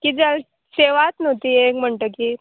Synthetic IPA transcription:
kid͡zəl | seʋat̪not̪iːekm̤əɳʈəkiː

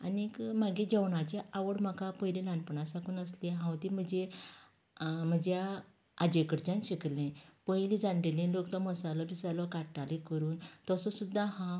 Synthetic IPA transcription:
anikmaɡẽd͡ʑeʋɳat͡ɕeʔaʋəɽm̤akapəjlẽlanpəɳasakuːnəslẽɦãwt̪im̤əd͡ʑe | m̤əd͡ʑja | ad͡ʑekəɾt͡ɕãnɕiklẽpəjlĩd͡zãɳɖelĩlokt̪ɔməsalɔbisalɔkaʈːalẽkəɾuːnt̪ɔsɔsud̪ʱːaɦã

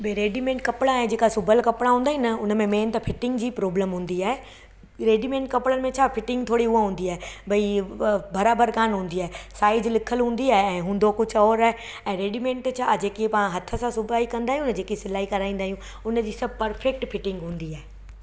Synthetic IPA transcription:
beɾeːɖimẽːɳʈ̚kɐpɪɽãẽd͡ʑeːkasʊbʱəlkɐpɽaɦũːnd̪aɦĩnɐʊnə̆mẽmeːnt̪ɐfɪʈɪ̃ŋɡd͡ʑiːpɾoːbləmɦũːn̆d̪iaːɦe | ɾeːɖimẽːɳʈ̚kɐpɪɽən̆mẽt͡ɕʰaːfɪʈɪ̃ŋɡ̚t̪ʰoːɽiuãɦũːnd̪iaːebɐibɐɾaːbəɾkaːnɦũːn̆d̪iaːɦesaːɪd͡ʑlɪkʰəlɦũːn̆d̪iaːɦeɛ̃ːɦũːn̆d̪okʊd͡ʑʰʱɔːɾaːɦe | ɛ̃ːɾeːɖimẽːɳʈt͡ɕʰad͡ʑeːkiepaːãɦɐt̪ʰə̆sãsʊbʱaːikɐ̃nd̪aːɦiũnəd͡ʑeːkisɪlaːɦikɐɾaːĩːnd̪aːijũ | ʊnəd͡ʑiːsɐbʱpɐɾfek̚ʈfɪʈɪ̃ŋɡɦũːn̆d̪iaːɦe

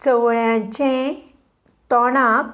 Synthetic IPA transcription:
t͡səʋɭjãt͡ɕẽ | t̪ɔɽ̃ãk

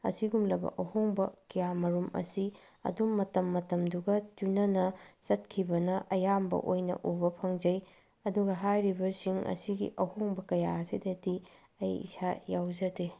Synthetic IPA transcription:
ɐ̰siɡumlɐbɐ̰ʔɐhoŋbɐkijamɐɾumɐ̰si | ɐ̰dumːɐtɐmːɐtɐmduɡɐt͡ʃunɐnɐsɐt̚kʰibɐnɐʔɐjambɐ̰ʔojnɐ̰ʔubɐpʰɐŋd͡ʒɐj | ɐduɡɐɦajɾibɐsiŋɐ̰siɡḭʔɐhoŋbɐkɐjaɐsidɐti | ɐjḭsajawzɐde

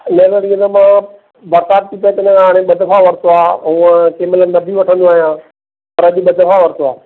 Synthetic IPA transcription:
leːʋəɾiːənəmãː | bɐɾt̪aːb̚t̪ʰipɐet̪ɐɲə̃kʰãɦaːɽ̃ẽɓɐd̪ʱfʰaʋɐɾt̪oaːɦũːə̃keːmɪlənːɐbʱiʋɐʈʰə̃nd̪oaːɦijãː | pɐɾɐʄɓɐd̪ʱəfaʋɐɾt̪oaː

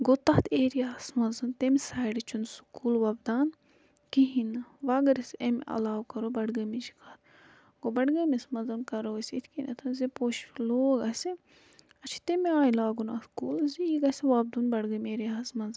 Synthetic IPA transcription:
ɡot̪ɐt̪ʰeːɾijaːsmɐnzɐnt̪emisaːjɖit͡ʃʰunsu̥kuːlʋɐbd̪aːn | kiɦinʋaːɡɐɾɐsemʔɐ̰laːwkɐɾobɐɽɡɐmid͡ʒi̥kʰɐːt̪ʰ | ɡobɐɽɡɐmismɐnzɐnkɐɾoɐsʲit̪ʰkinʲɐ̰t̪ʰɐnzepoːʃloːɡɐsʲe | ɐt͡ʃʰi̥t̪emiaːjlaːɡunɐt̪kuːlziiɡɐsʲiʋaːb̚d̪unbɐɽɡɐmʲeːɾijaːsmɐnzɨn

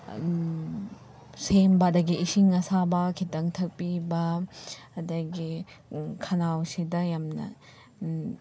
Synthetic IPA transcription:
sembadɐɡiʔːsiŋɐsabɐkʰitɐŋtʰɐk̚pibɐː | dɐɡi | kʰɐnawsidɐjamnɐ̰

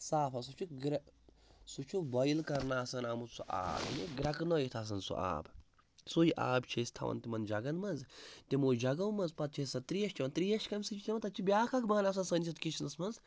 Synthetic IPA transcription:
saːfʰɐsut͡ʃʰuɡɾɐ | sut͡ʃʰubɐjilkɐɾnaːsɐnaːmusuʔa̰ːbnʲiɡɾɐknojit̪ʰaːs̬ɐnsṵʔa̰ːb | sujʔa̰ːbt͡ʃʰest̪ʰɐ̰ʋɐ̰nt̪imɐnd͡ʒɐɡɐnmɐnzt̪imoːd͡ʒɐɡɐwmɐnzpɐt̪̚t͡ʃʰesɐt̪ɾijɐʃt͡ʃʰʲiʋɐnt̪ɾijɐʃkɐmʲsɨt͡ʃʰit̪ʲimɐt̪ɐt͡ʃʰibʲaːkʰɐkmaːnas̬ɐnsənt͡ʃʰit̪kit͡ʃʰnɐsmɐnz

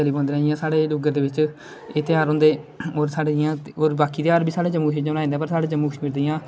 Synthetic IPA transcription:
əliːbõːnd̪eːɛ̃ːɪjãːsaːɽeːlʊɡəɾd̪eːʋɪt͡ʃ | eːt̪ɪjaːɾʊ̃nd̪eː | oːɾsaːɽejãːoːɾbaːkiːt̪ɪjaːɾbiːsaːɽaːt͡ʃəmːuːkʃd͡ʒõnaːĩnd̪aːpəɾsaːɽeːt͡ʃəmːuːkəʃmiːɾd̪ijãː

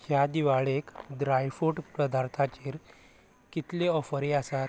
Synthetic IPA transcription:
hjad̪iʋaɭekɖɾajfuʈpɾəd̪aɾt̪ʰat͡ɕeɾ | kit̪leɔfəɾeasa

